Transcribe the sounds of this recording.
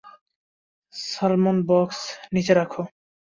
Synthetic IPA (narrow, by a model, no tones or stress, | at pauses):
sʌlmonbɔksnit͡ɕeɾakʰo